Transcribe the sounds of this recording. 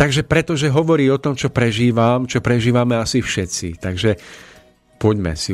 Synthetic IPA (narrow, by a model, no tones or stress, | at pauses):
t̪aɡʒɛpɾɛt̪ɔʒɛɦɔʋɔɾiːɔt̪ɔmt͡ʃɔpɾɛʒiːʋamt͡ʃɔpɾɛʒiːʋamɛasifʃɛt͡sḭt̪aɡʒɛ | pɔɟmɛ̰si